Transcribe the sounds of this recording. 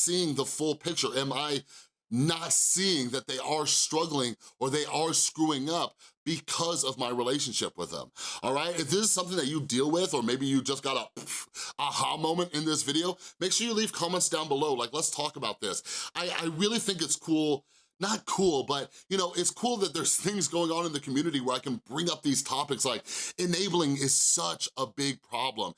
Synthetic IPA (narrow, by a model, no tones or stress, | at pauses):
siɪ̃ŋðəfʊlˠpʰɪk̚t͡ʃə˞ɨ̃maɪ | nətsiɪ̃ŋðɨt̪̚ðeɪʔə˞stɹ̥ʌɡl̩ˠɪ̃ŋə˞ðeɪʔə˞skɹuɪ̃ŋʌp̚b̥ɨkʰʌzʌvmaɪɹileɪʃɨ̃n̩ʃɪ̰pwə̰ðə̰̃mʔɔlˠɹaɪt̚ɨðɪz̥sʌ̃mθɪ̃ŋðɨt͡ʃɨdilˠwɪðə˞meɪbijɨd͡ʒʌsɡ̥ɑɾə | əhɑmõʊ̃mɨ̃ñtɨ̃nðɪs̬vɪɾioʊmeɪkʃʊɹjɨliv̥kʰɑmə̃ntsd̥ãʊ̃nbəloʊlaɪklətstʰɔkəbaʊt̪̚ðɪsʔaɪʔa̰ɪɹɪlˠiθɪ̃ŋk̬ɨtskʰulˠ | nət̚kʰulˠbʌt̚jɨñoʊʔɪtskʰulˠðɨt̪̚ðə˞z̥θɪ̃ŋzɡoʊɪ̃ŋə̃nɨ̃nðɨkʰmjʉnɨɾiwə˞aɪkɨ̃n̩bɹɪ̃ŋʌp̚ðiz̥tʰɑpɨkslaɪk̚ɨneɪbl̩ˠɪ̃ŋɪz̥sʌt͡ʃəbɪɡ̚pʰɹ̥ɑblə̰̃m